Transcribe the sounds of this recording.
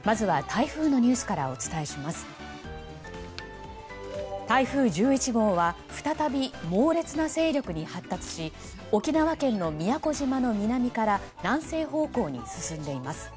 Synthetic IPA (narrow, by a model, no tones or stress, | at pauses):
mazɨβat̪ʰaiɸɯ̟ːno̞ɲ̟ɨːsɨ̥kaɾa̰o̞t͡sɨ̥t̪ae̞ɕimasɨ̥ | t̪aiɸɯ̟ːd͡ʑɨːit͡ɕiɡo̞ːβa | ɸɯ̟̥t̪at̪abʲimo̞ːɾe̞t͡sɨnase̞ːɾʲo̞kɯ̟ɲ̟ihat̪ːat͡sɨ̥ɕi | o̞kʲinaβakẽ̞nːo̞mʲijako̞ʑimano̞mʲinamʲikaɾanãɰ̃se̞ːɦo̞ːko̞ːɲ̟ḭsɨsɨ̃nd̪e̞imasɨ̥